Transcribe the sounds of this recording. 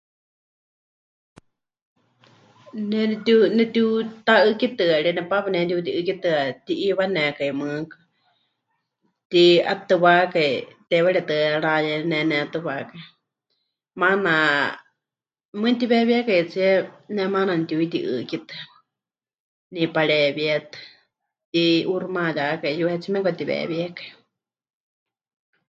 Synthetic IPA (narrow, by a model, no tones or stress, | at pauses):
nɛnɛt̪unɛt̪it̪aʔɨkit̪ɨaɺinɛpapanɛ̃t̪̬it̪̬iʔɨkit̪ɨat̪iʔiβanɛkaimɨkɨ | t̪ia̰t̪ɨβakait̪ɛwaɺit̪ɨɺajɛnɛnɛat̪ɨβakai | mana | mɨt̪iβɛβiɛkait͡siɛnɛmananit̪iuit̪iʔɨ̰kit̪ɨ | nipaɺɛβiɛt̪ɨ̥ | t̪iʔuɾumãjakaijuhɛt͡simɛkʷat̪iβɛ̰βiɛkai